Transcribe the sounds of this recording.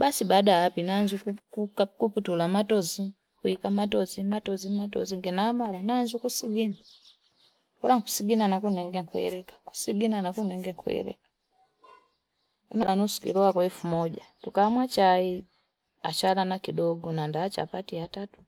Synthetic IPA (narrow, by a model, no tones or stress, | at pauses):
basibadaːpinaɲzukukukakuputulamatɔzi | kuikamatɔzimatɔzimatɔ̰ziŋɡɛnaːmalanaɲzukusiɡina | kalaŋku̥siɡinanakunɛŋɡɛŋkuɛ̰lɛkḁku̥siɡinanakunɛŋɡɛkṵɛ̰lɛ̰kḁ | unalanusu̥kḭlɔwakwaɛfumɔɟatukamwat͡ʃai | at͡ʃalanakidɔɡɔnandaːt͡ʃa̰patiatatu̥